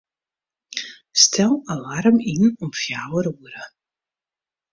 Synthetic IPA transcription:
stʰɛlˠalaɾəminɔmfjaːwəɾwəɾə

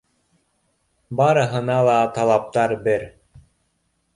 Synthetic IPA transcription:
bɑɾɤ̆ɦɤ̆nɑlˠɑt̪ɑlˠɑp̚t̪ɑɾbɘɾ

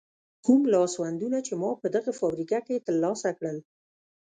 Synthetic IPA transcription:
kumlɑswand̪unat͡ʃemɑpəd̪əɣafɑbɾikaket̪əlːɑsakɽəl

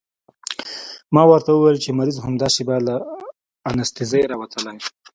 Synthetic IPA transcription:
mɑwəɾt̪awəwejlt͡ʃemaɾizɦamd̪ɑsibalaː | nast̪izajɾɑwat̪ʰəlaj

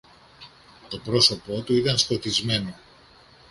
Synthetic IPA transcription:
t̪o̞pɾo̞so̞po̞t̪uit̪ɐnst̪o̞t̪izme̞no̞

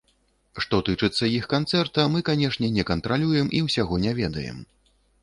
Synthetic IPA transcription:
ʂt̪ɔt̪ɨt͡ʂɨt̪sːɐixkant̪sɛrt̪ɐmɨkanʲɛʂnʲɛnʲɛkɐnt̪ɾalʲujɛmʔiwsʲaɣɔnʲɛvʲɛd̪ɐ̰jɛ̰m

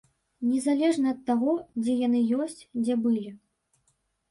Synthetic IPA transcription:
nʲɛzalʲɛʐnɐːt̪ːaɣɔd͡zʲɛjanɨjɔsʲt͡sʲd͡zʲɛbɨlʲi

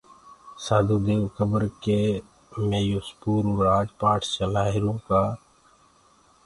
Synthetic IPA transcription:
saːd̪ud̪eːʋkəbəɾke | mẽːjʊspuːɾɾaːd͡ʒpaːʈt͡ʃəlaːɦɪɾũːkaː

